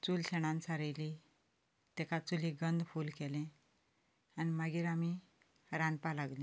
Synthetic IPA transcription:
t͡sulɕɛɽ̃ãnt͡sʰaɾəjli | t̪ɛkat͡sulĩɡənd̪fulkɛlẽ | animaɡiɾami | ɾãnpalaɡlẽ

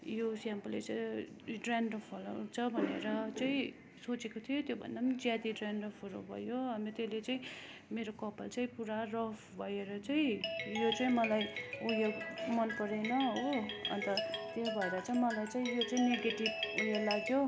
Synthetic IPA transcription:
josjampʌlːet͡sʌi | ɖranʌpʰolo̰t͡sʰʌbʱʌneɾʌt͡sʌĩ | sot͡sekot̪ʰijot̪jobʱʌ̰nd̪apʌnid͡zjat̪idranʌpʰolo̰bʱʌ̰joʌmet̪elet͡sʌĩmeɾokʌpalt͡sʌĩpuɾarʌpʰbʱʌeɾʌt͡sʌĩjot͡sʌĩmʌlajujoɡmʌnpʌɾenʌoʌ̰nt̪ʌt̪jebʱʌeɾʌt͡sʌĩmʌlajt͡sʌĩjot͡sʌĩneɡeʈibujolaɡjo

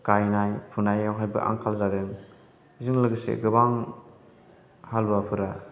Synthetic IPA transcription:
kajnajpʰunajawɦajbɯ̰ʔa̰ŋkʰalzaɾɯŋ | ziŋlɯɡɯsḛɡɯbaŋ | halbapʰɯɾa

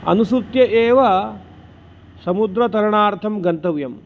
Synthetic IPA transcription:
ɐ̰nusut̪jɐʔeːʋɐ | sɐmud̪ɾɐt̪ɐɾɐɳaːɾt̪ʰɐmɡɐnt̪ɐʋjɐm

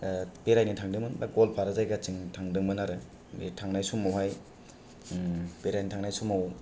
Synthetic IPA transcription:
peɾajnitʰaŋdɯŋbɯnbaɡolpʰaɾazajɡat͡ʃiŋtʰaŋdɯŋbɯnaɾɯ | ḛtʰaŋnajsumawɦaj | peɾajnitʰaŋnajsumaw

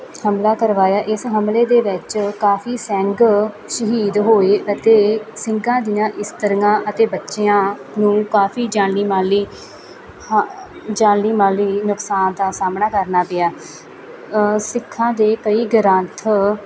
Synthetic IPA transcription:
həmlaːkəɾʋaːjaːʔɪsɦəmleːd̪eːʋɪt͡ʃkaːfʰiːsɛ̃ːŋɡ | ʃəɦiːd̪ɦoːeːʔət̪eːsɪ̃ŋɡãːd̪ɪjãːʔɪst̪əɾŋãːʔət̪eːbətːʃeãːnũːkaːfʰiːd͡ʒãːnɽiːmaːliː | d͡ʒãːɽiːmaːliːnʊksaːnd̪aːsaːmnaːkəɾnaːpɪaː | sɪkʰːãːd̪eːkəiːɡəɾə̃ːnt̪ʰ

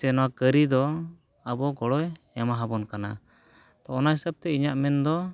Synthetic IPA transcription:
sɛnɔwakəɾid̪ɔ | abɔɡɔɽɔj | ɛmaɦabɔnkana | t̪ɔːnaɦisəb̚t̪ɛiɲaʔmɛnd̪ɔ

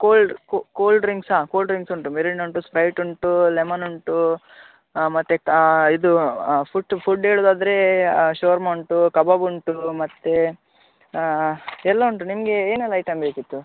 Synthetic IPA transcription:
koːlɖkkoːlɖɾiŋɡsaːkoːlɖɾiŋɡsuɳʈumeɾiɳuɳʈuspɾɐjʈuɳʈulemɐnuɳʈu | mɐt̪ːekid̪upʰuʈpʰuɖeːɭud̪aːd̪ɐɾe̞ʃoːɾmɐwɳʈukɐbɐbuɳʈumɐt̪ːe | ɛlːɐuɳʈunimɐɡe̞eːnɛlːɐjʈɐmbeːkit̪ːu

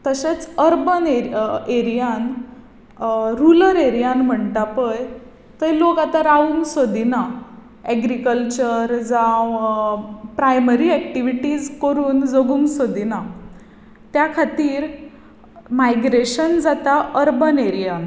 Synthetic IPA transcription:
t̪əɕet͡səɾbəneeɾijan | ɾuləɾeɾijãnm̤əɳʈapəj | t̪əjlokat̪aɾaʋuŋɡsod̪ʱina | ɛɡɾikəlt͡ɕəɾd͡zãw | pɾajməɾiɛkʈiʋiʈiːd͡zkəɾuːnd͡zoɡuŋɡsod̪ina | t̪jakʰat̪iːɾ | majɡɾeɕənd͡zat̪aʔəɾbəneɾijan

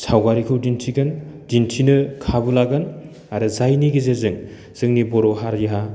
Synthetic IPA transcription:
sʰawɡaɾikʰɯwdintʰiɡɯndintʰinɯkʰabulaɡɯn | aɾɯzajniɡizezɯŋ | z̥ɯŋnibɔɾɔɦaɾjiɦa

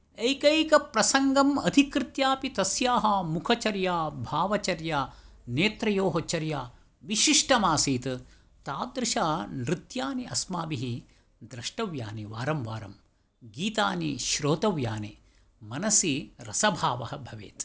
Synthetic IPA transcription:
ɐjkɐjkɐpɾɐsɐŋɡɐmɐd̪ʱikɾɨt̪jaːpit̪ɐsjaːɦɐmukʰɐt͡ʃɐɾjaːbʱaːʋɐt͡ʃɐɾjaːneːt̪ɾɐjoːɦot͡ʃɐɾjaː | ʋiʃiʂʈɐmaːsiːt̪ | t̪aːd̪ɾɨʃaːnɾɪt̪jaːniɐsmaːbiɦi | d̪ɾɐʂʈɐʋja̰ːniʋaːɾɐmʋaːɾɐ̰m | ɡiːt̪aːniʃɾoːt̪ɐʋjaːne | mɐnɐsiɾɐsɐbʱaːʋɐɦɐbʱɐʋḛːt̪

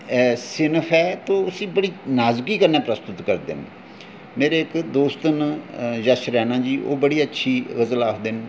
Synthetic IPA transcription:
sɪnpʰɛːt̪õːʊsĩːbəɽiːnaːzkiːkəɾnɛːpɾəst̪ʊt̪kəɾd̪ɪ̰n | meːɾeːɪkd̪oːst̪ənjəʃɾɛːnãːd͡ʒiːʔo̰ːbəɽiːətːʃʰiːɣəzəlaːkʰd̪ɪn

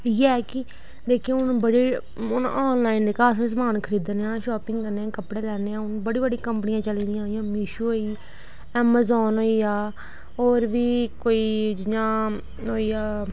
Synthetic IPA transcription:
iɛːkɪ | d̪eːkʰĩʊnbəɽiː | ʊnɔːnlaːind̪eːkaːsẽsəmaːnkʰəɾiːd̪nːãːʃɔːpɪ̃ŋɡkəɾneãːkəpɽeːlɛːneːãːʊnbəɽiːbəɽikəmpənɪjãːt͡ʃəliːd̪ɪjãːɦijãːmiːʃuːɦoːiː | ɛːmazɔːnɦoːiːaː | oːɾʋiːkoːiːd͡ʒɪjãː | ɦoːiːaː

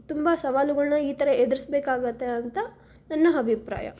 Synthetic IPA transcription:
t̪umbɐsɐʋaːluɡɐɭnɐiːt̪ɐɾɐed̪iɾisbeːkaːɡɐt̪ːeɐnt̪ɐ | nɐnːɐɐbʱipɾa̰ːjɐ̰

